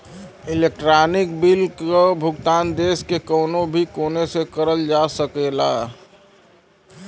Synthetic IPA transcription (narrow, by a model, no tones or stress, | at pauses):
ilek̚ʈɾaːnɪkbilkobʱʊɡt̪aːnd̪eːskekəːnobʱikoːnesekəɾəld͡ʒasəkela